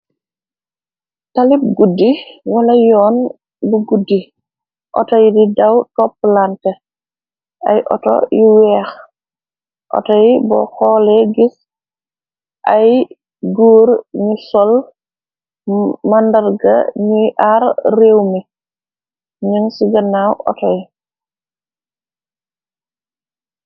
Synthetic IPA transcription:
talip̚ɡudːiwɐlɐjɔːn | buɡudi | ʔɔ̰tɔjididawtɔpːlantɛ | ʔa̰jʔɔ̰to̰jiwɛːx | ʔɔ̰tɔjibɔ̰xɔːlɛɡis | ʔaj | ɡuːɾɲusɔl | mandɐɾɡa̰ɲujʔaɾɾeːwmi | ɲuŋsiɡɐnawʔɔ̰tɔj

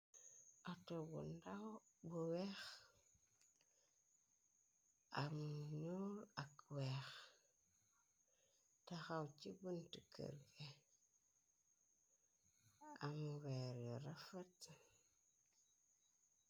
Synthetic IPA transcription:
atobṵndabuwex | amɲuɾakwex | taxawt͡ʃibuntikʰə̰ɾɡe | amweɾoɾafat

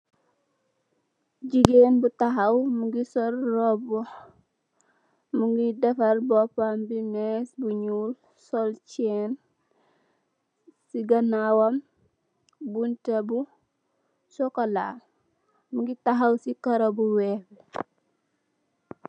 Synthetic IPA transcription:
ɟiɡenbutaɦawmuŋɡisɔɾːɔbɔh | muŋɡidɛfɐɾbɔpambinɛsbuɲuːl | sɔlt͡ʃɛn | siɡɐnawɐm | buntebu | sɔkolaː | muɡitaɦawsikɐɾɐbuwɛːb

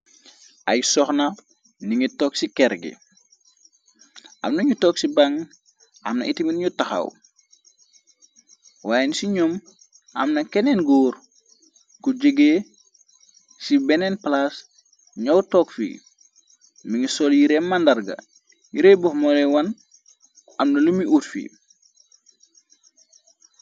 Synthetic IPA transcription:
ʔajsɔxnɐ | niŋitɔksikɛɾɡḭ | ʔa̰mnɐɲutɔksibaŋ | a̰mnɐ̰ʔitiminɲutaxɐ̰w | waːjenisiɲɔm | ɐ̰mnɐkɛnenɡoːɾ | kuɟəɡe | sibɛnenplas | ɲawtoːkfḭ | miŋisoljiɾeːmːandaɾɡɐ̰ | jiɾebofmolewɐn | amnɐlumiʔutfḭ

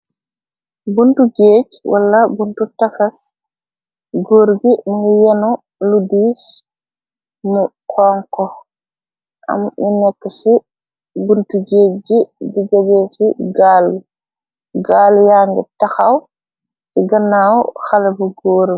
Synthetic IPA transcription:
buntud͡ʒeːd͡ʒwa̰lːabuntutafas | ɡoːɾɡimiŋɡjɛnɔ | ludis | nu | kʰɔŋkɔ | ʔa̰mʔinɛkːɛsi | buntud͡ʒed͡ʒidiɡabɛsiɡali | ɡaːlujaŋɡɛtaxaw | siɡanːawxalabuɡoːɾi

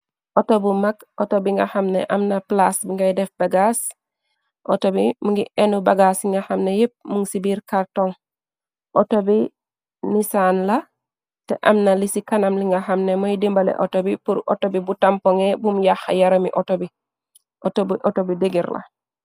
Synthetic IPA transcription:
ʔotobumakʔotobiŋɡɐxamnḛʔɐmnɐplasbiŋɡajdɛfbaɡas | ʔotobimuŋɡiʔenubaɡasiŋɡɐxamnejip̚muŋsibiːɾkaɾtoŋ | ʔotobi | nisanlɐ | teʔɐmnɐlisikanɐmliŋɡɐxɐmnemojdimbɐlḛʔo̰tobipuɾʔo̰tobibutampoŋebumjaxa̰jaɾomiʔotobi | ʔotobiʔotobideɡiɾlɐ̰

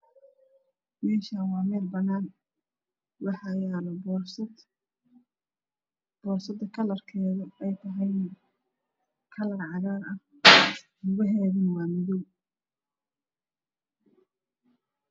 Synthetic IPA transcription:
mɛːʃaːnwɑːmɛːlbɐnaːn | wɑħɑjalɔb | b̥ɔːrsɐd̪ɐkʰɐlɐrkʰɛːðɐɛjt̪ʰɐɦɛjnɐ | kʰɐlɐrʕɑðaːɾɐh | hʊɣɐɦɛːðɐnwɑːmɪðɔw

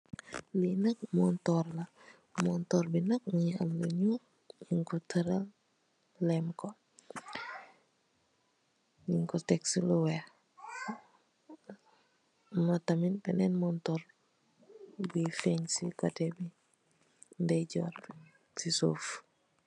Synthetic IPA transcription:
linɐk̚mɔntɔrlɐ | mɔntɔːɾbinɐk̚ŋiɐmlɐɲu | ɲiŋkɔtəɾɐl | lɛmkɔ | ɲiŋkɔtɛksiluwɛ | mɐtɐminpɛnɛnmɔntɔɾ | bifɛɲsikatɛbi | ndɛɟɔ̰r | siso̰ːf

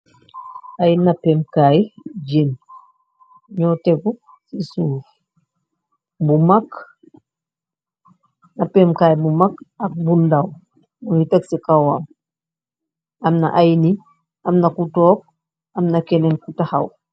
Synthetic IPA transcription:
ajinnːapɛmkajd͡ʒen | ɲɔːteɡu | sisuːf | bumak | napemkaːjbumakak̚bundaw | nuiteksikawaːm | namna̰ʔajni | amnakutɔːk̚ | amnakenɛnkutahaw

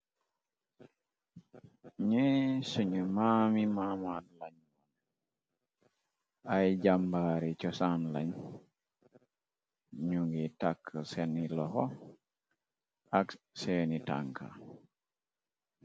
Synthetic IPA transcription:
ɲɛsuɲumamimamanlaɲmon | ajɟambaɾit͡ʃɔsanla̰ɲ | ɲuŋɡitakʰːəsɛnilɔhɔ | ak | senita̰ŋkʰa̰

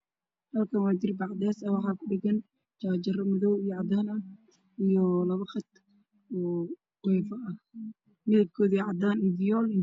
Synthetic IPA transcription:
hɐlkʰɐnwaːt͡ʃɪɾɪbɑʕd̪ɛːsɐwɑħɑːkʰʊɖɪɡɐn | t͡ʃaːd͡ʒɐrɐmʊðɔwijɔʕɑd̪aːnɐh | ijɔlɐβɐχɑt̪ | ɔː | qɛːfɐɐh | mɪðɐb̚kʰɔːðiːʕɑd̪aːnid̪ɪjɔːlɪ

